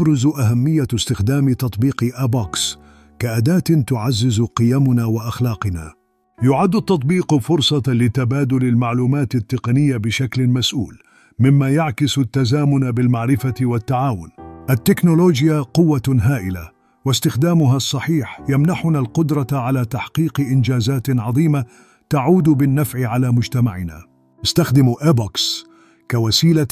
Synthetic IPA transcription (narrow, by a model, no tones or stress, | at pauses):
ɾʊzʔaɦamːɪjːast̪ɪxd̪aːmɪt̪ɑt̪ˤbiːqʔabaks | kaʔad̪aːt̪t̪ʊʕazːɪzqɨjamʊnawaʔaxlɑːqɨna̰ː | jʊʕad̪ːat̪ːɑt̪̚ˤbiːqfʊɾsˤɑlɪt̪abaːd̪ʊlɪlmaʕluːmaːt̪at̪ːɪqɑnɪjːabɪʃaklɪmasʔṵːl | mɪmːajaʕkɪst̪ːazaːmʊnabɪlmaʕɾɪfawat̪ːaʕaːwʊnʔat̪ːɪknʊloːd͡ʒjaqʊwːaɦaːʔɪla̰ | wast̪ɪxd̪aːmʊɦasˤːɑħiːħjamnaħʊnalqʊd̪ɾˤɑʕalaːt̪aħqiːqʔɪnd͡ʒaːzaːt̪ʕɑðˤiːma | t̪aʕuːd̪bɪnːafʕɪʕalaːmʊd͡ʒt̪amaʕɪna̰ | nɪst̪axd̪ɪmʔabaks | kawasiːla